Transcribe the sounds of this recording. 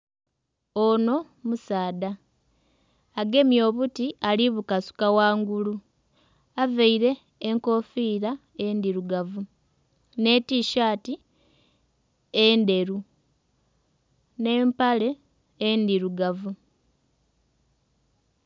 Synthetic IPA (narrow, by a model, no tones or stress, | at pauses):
ono̞ | musaːda | ɡe̞mjo̞ːβutiʔaliβukasu̥kawaːŋɡulu | aveiɾe̞ː | ŋko̞fiːɾa | e̞ndiɾuɡavu | ne̞tiʃaːti | ende̞ɾu | ne̞ːmpaleː | ndiɾuɡavu